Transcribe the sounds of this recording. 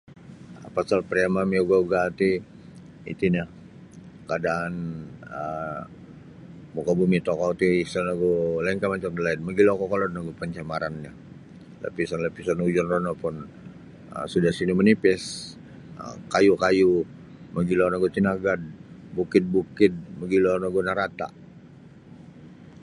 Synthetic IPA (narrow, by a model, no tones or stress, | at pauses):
ə̰pasalpəɾiamamiuɡauɡat̪i | ḭt̪inah | kadaanə | mukabumit̪ɔkɔt̪isanlaɡulɛŋkamat͡ʃamd̪əlain̚məɡilokɔkɔlɔdnaɡupaɲt͡ʃamaɾanɲa | la̰pisanləpisanud͡ʒunrɔnɔpʊn | ə̰sudahsinimənipɪs | ə̰kajukaju | məɡilonaɡut̪inaɡad̚bukɪt̪̚bukɪt̪̚məɡilonaɡunaɾat̪a̰